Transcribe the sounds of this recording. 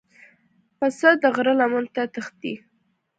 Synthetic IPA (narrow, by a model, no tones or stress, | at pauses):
pasad̪əɣɾəlamənt̪at̪əxt̪̚i